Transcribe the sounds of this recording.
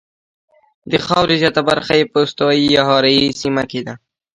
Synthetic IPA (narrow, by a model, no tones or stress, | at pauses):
d̪əxɑwɾezjɑt̪abaɾxajepəʊst̪awjijɑɦɑɾajisimaked̪a